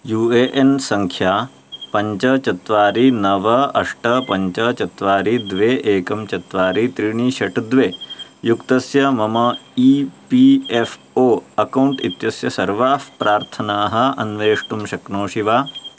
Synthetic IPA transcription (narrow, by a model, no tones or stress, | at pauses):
juːeːʔensɐŋkʰjaː | pɐɲt͡ʃɐt͡ʃɐt̪ʋaːɾinɐʋɐɐʂʈɐpɐɲt͡ʃɐt͡ʃɐt̪ʋaːɾid̪ʋeːʔeːkɐmt͡ʃɐt̪ʋaːɾit̪ɾiɳiːʃɐʈd̪ʋeːjukt̪ɐsjɐmɐmɐiːpief | oːɐkɐwɳʈḭt̪jɐsjɐsɐɾʋaːfpɾaːɾt̪ʰɐnaːɦɐ̆ɐnʋeːʂʈumʃɐknoːʂiʋaː